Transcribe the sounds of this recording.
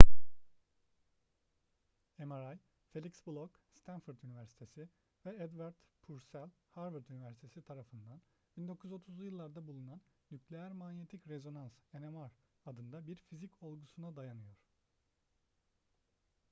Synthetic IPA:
emaɾaj | fe̞lʲicsblˠɔkst̪ʰænfuɾt̪ynivæɾsi̥t̪ʰe̞sɪ | vɛɛd̪vaɾd̪pʰuɾsælʲhaɾvɯɾt̪ynivæɾsi̥t̪ʰe̞sit̪ʰaɾafɯnd̪an | b̥ind̪o̞kʰujyzo̞t̪ʰuzlˠujɯlˠːaɾd̪abulˠunanːyclʲejæɾmanje̞t̪ʰicɾe̞zo̞nanse̞nemaɾad̪ɯnd̪abiɾfizico̞lˠɡusunad̪ajanɯjo̞ɾ̥

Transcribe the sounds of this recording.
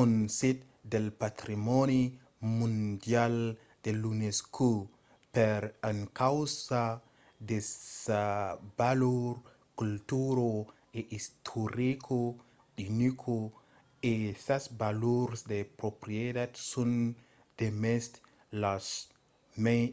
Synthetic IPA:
onsit̪̚ | d̪elpat̪ɾimoni | mũndjal | d̪̥eluneskʰu | peɾaŋkawsa | d̪eabaloɾ | kult̪uɾo | eʔist̪ʰoɾikʰo | inikʰo | esasbaloɾsd̪epɾopɾied̪ad̪sun | d̪̥emest̪ | las | me

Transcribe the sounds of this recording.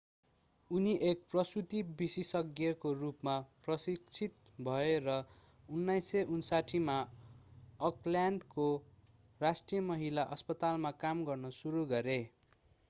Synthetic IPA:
uniʔek̚prʌsut̪ibisisʌɡjʌkorupmaprʌsikt͡sʰit̪̚ | bʱʌeɾʌ | unːajseʔunsaʈʰima | ʌkljaɳɖko | rasʈijʌmʌɦilaʔʌspʌt̪almakamɡʌrnʌsuɾuɡʌɾe

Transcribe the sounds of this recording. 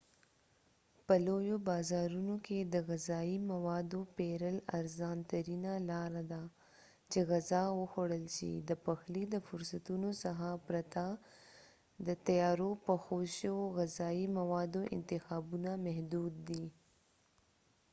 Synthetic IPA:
pəlojobɑzɑɾunokʰed̪əɣazɑimawɑd̪opeɾəla̰ɾzɑnt̪aɾinalɑɾad̪a | t͡ʃeɣazɑwəxoɽəlʃḭd̪əpaxlid̪əfʊɾsat̪unosaxapɾat̪a | d̪ət̪ajɑɾopəxoʃəwoɣazɑimawɑd̪oʔɪ̰nt̪ɪxɑbunamɛɦd̪ud̪̚ːi

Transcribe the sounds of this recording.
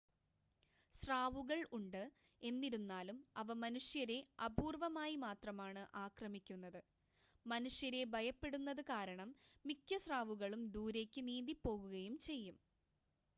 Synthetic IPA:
sraːʋuɣɐɭuɳɖɨ | e̞nːiɾunːaːlumɐʋɐmɐnuʂjɐɾe̞ɐbʱuːrʋɐmaːjimaːt̪rɐmaːɳɨʔaːkrɐmikʲːunːɐðɨ | mɐnuʂjɐɾe̞bʱɐjɐpːe̞ɽunːɐðɨkaːɾɐɳɐmːikʲːɐsraːʋuɣɐɭumd̪uːɾe̞ːkʲːɨniːd̪ipːo̞ːɣuɣɐjumt͡ɕe̞jːum

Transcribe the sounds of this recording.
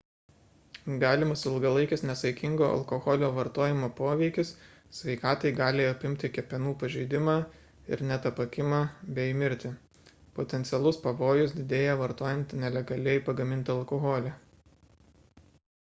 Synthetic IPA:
ɡɑːlʲɪmɐsɪlˠɡɐlˠɐɪkʲɪsnʲɛsɐɪkʲɪŋɡoːʔɐ̰lˠkoɣɔlʲoːʋɐɾt̪oːjɪmoːpoːʋʲɛɪkʲɪs | sʲʋʲɛɪkɑːt̪ɐɪɡɑːlʲɪɐpʲɪmʲt̪ʲɪkʲɛpʲɛnuːpɐʒʲɛɪd̪ʲɪmɑː | ɪ̰ɾnʲɛt̪ɐpɐkʲɪmɑːbʲɛjmʲɪɾʲt̪ʲɪ | pot̪ʲɛnʲt̪sʲɪɛlˠʊspɐʋoːjʊs̬d̪ʲɪd̪ʲeːjɛʋɐɾt̪oːjɛnʲt̪ʲnʲɛlʲɛɡɐlʲɛɪpɐɡɐmʲɪnʲt̪ʲɪɐlˠkoɣoːlʲɛ

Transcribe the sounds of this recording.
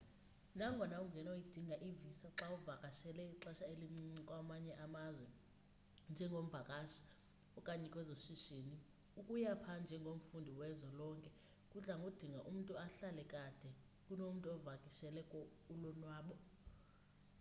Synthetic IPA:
naŋɡʱɔnauŋɡʱɛnajid̥ʱiŋɡʱaʔivisaǁauvakʼaʃɛlɛiǁaʃaelikʼwamaɲɛʔamazwɛ | nd͡ʒʱɛŋɡʱom̩vʱakʼaʃḁ | ɔkʼaɲɛkʼwɛzoʃiʃeni | ukʼujapʰand͡ʒʱɛŋɡʱom̩fundʱiwɛzɔlɔŋkʼɛ | kʼuɬaŋɡʱud̥ʱiŋɡʱaʔum̩tʼuaɬalɛkʼad̥ʱɛ | kʼunom̩tʼuɔvakʼiʃɛlɛkʼɔ | ulɔnwaːɓɔ

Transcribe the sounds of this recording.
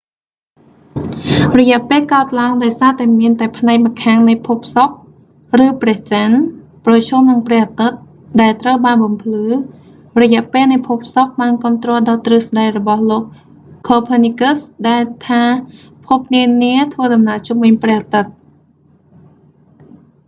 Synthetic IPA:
rɔjɛ̆əʔpeːlkaət̪̚laəŋɗɑɔjsaːt̪aɛmiənt̪aɛpʰnaɛk̚makʰaːŋnɨjpʰuːp̚ʰsok̚ | rɨːprɛ̆əht͡ɕən | prɑt͡ɕʰuːmnɨŋprɛ̆əhʔat̪ɨt̪̚ | ɗaɛlt̪rəwɓaːnɓɑmpʰlɨː | rɔjɛ̆əʔpeːlnɨjpʰup̚ʰsok̚ɓaːnkɔ̆əmt̪rɔəlɗɑːt̪rɨːsɗajrɔɓɑhloːk̚ | kʰːoːpʰənikəsɗaɛlt̪ʰaː | pʰup̚niəniət̪ʰʋəːɗɑmnaʔt͡ɕumvɨɲprɛ̆əhʔat̪ɨt̪̚

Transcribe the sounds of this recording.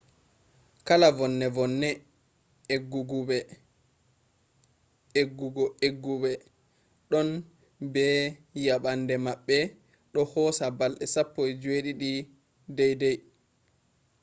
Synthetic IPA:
kalavɔnːɛvɔnːɛ | ɡuɡuɓɛ | eɡːuɡɔeɡːuɓɛ | ɗɔn | bɛjaɓandɛmaɓːɛ | ɗɔhɔsabalɗɛsapːɔjd͡ʒweɗiɗi | dɛjdɛj

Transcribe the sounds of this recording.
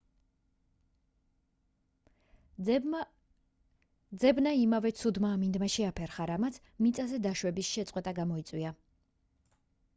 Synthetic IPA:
d̪zɛbnaimavɛt̪sʰud̪maːmind̪maʃɛapʰɛɾχaɾamat̪sʰmit̪sʼazɛd̪aʃwɛbisʃɛt̪sʼqʼwɛt̪ʼaɡamɔit̪sʼwia

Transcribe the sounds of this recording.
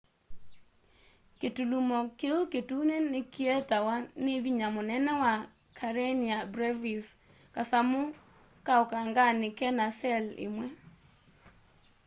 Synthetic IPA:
ketulumɔkeuketunenɪkietawaneviɲamʊnɛnɛwa | kʰaɾeniabɾɛvis | kasamʊ | kaɔkaŋɡanɪkɛnasɛlɪ̰mwɛ

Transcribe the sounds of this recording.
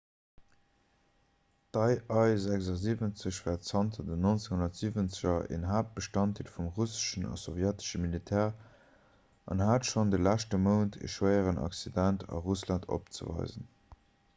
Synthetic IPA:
d̥ɑɪʔɑɪzækzɐziːvənt͡səɕvɛːɐtsɑntʰɐdənont͡seŋhunɐtz̥iːvənt͡səʑɐʔḛnɦaːp̚b̥əʃtɑnt̚ilfumʁusə̥ʃənɑ̰sovjætə̥ʃəmilitʰɛːʁ | ʔɑ̰nɦaːtʃondəlæʃtəməʊntʰə̰ʃwəɪəʁənʔɑ̰ksidæntʰɑ̰ʁuslɑntʰo̰pt͡sə̰vɑ̰ɪzən

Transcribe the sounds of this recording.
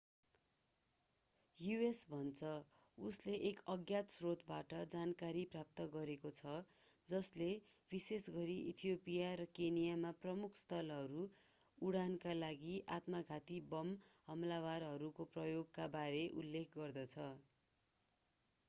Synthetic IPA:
juesbʱʌnt͡sʰʌ | usleʔekʌɡjat̪srot̪baʈʌd͡zankaɾiprap̚t̪ʌɡʌɾekot͡sʰʌ | d͡zʌslebisesɡʌɾiʔḭt̪ʰijopijaɾʌkenijamaprʌmukʰst̪ʌlɦʌɾu | uɽankalaɡiʔat̪mʌɡʱat̪ibʌmɦʌmlawarɦʌɾukoprʌjoɡkabaɾeʔṵlːekʰɡʌrd̪ʌt͡sʰʌ

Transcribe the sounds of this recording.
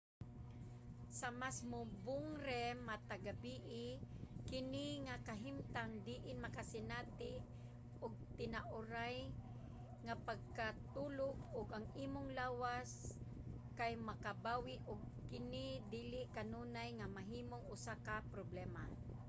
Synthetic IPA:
samasmʊbʊŋɾɛmat̪aɡabiʔɪkɪnɪŋakaɦɪmt̪aŋd̪iʔɪnmakasɪnat̪ɪ | ʔʊɡ̚t̪ɪnaʔʊɾaj | ŋapaɡ̚kat̪uːlʊɡʊɡaŋiːmʊŋlaːwas | kajmakabaːwɪʔʊɡ̚kɪnɪd̪iːlɪʔkanunajŋamaɦiːmʊŋʊsakapɾoblɛːma

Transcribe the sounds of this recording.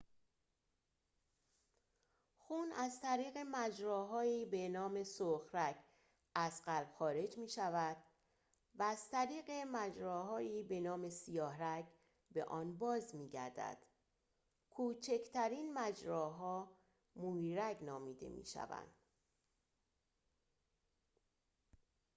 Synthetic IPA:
xuːnæzt̪ʰæɾiːɣe̞mæd͡ʒɾɒːɦɒːiːbe̞nɒːme̞soxɾæɡ | æzɢælb̥xɒːɾe̞d͡ʒmiːʃævæd̪̥ | væːz̥t̪ʰæɾiːɣe̞mæd͡ʒɾɒːɦɒːiːbe̞nɒːme̞sijɒːhɾæɟ | be̞̰ʔɒːnbɒːzmiːɟæ̰ɾd̪æ̰d̪̥ | kʰuːt͡ʃʰe̞cʰt̪ʰæɾiːnmæd͡ʒɾɒːɦɒː | muiɾæɡnɒːmiːd̪e̞̰mḭːʃæ̰væ̰nd̪̥

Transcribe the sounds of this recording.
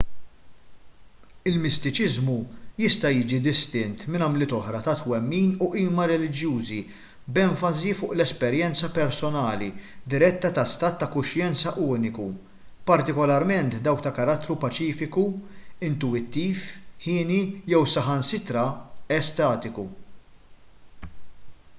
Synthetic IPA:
ɪlmɪst̪ɪt͡ʃɪzmujɪst̪ɐjiːd͡ʒid̪ɪst̪ɪnt̪mɪnɐmlɪt̪ɔħɾɐt̪ɐt̪wɛmːiːnʊʔiːmɐɾɛlɪd͡ʒjuːzi | bɛɱfɐzifʊːʔlɛspɛɾjɛnt͡sɐpɛɾsɔnɐːlḭd̪ɪɾɛt̪ːɐt̪ɐst̪ɐːt̪ːɐkʊʃjɛnt͡sɐʔuːnɪku | pɐɾt̪ɪkɔlɐɾmɛnt̪d̪ɐwk̚t̪ɐkɐɾɐt̪ːɾupɐt͡ʃiːfɪkuɪnt̪uɪt̪ːiːfħɪːnijɛwsɐħɐnsɪt̪ɾɐɛst̪ɐːt̪ɪku

